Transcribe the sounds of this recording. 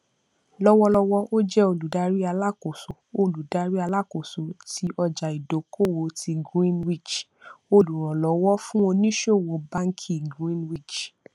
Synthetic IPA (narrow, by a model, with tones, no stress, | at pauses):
lɔ˦wɔ˧lɔ˧wɔ˧ʔo˦d͡ʒɛ˦o˧lu˨da˧ɾi˦a˧la˦˨ko˨so˨o˧lu˨da˧ɾi˦a˧la˦ko˨so˨˦tʰi˧˦ʔɔ˧d͡ʒa˨i˨do˨˦ko˦˨wo˨˧ti˧ɡɾĩ˦nwi˦˨t͡ʃ | o˧lu˨ɾ̃ɔ̃˨lɔ˨˦wɔ˦fũ˦o˧nĩ˦ʃo˦˨wo˨˦ba˦ŋ̩˦kʰi˦˨ɡɾĩ˦nwi˦˨t͡ʃ